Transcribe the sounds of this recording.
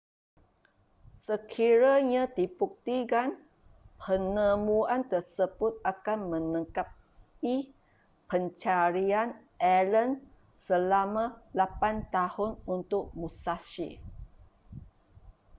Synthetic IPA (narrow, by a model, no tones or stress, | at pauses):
səkʰiɾaɲãt̪ipuk̚t̪ikan | pʰənəmuant̪ərsəbʊt̪̚akanmə̃nə̃ŋkap̚ | i | pənt͡ʃaɾian | ʔɛlən | səlamãlapant̪ahʊnunt̪ʊk̚musasḭ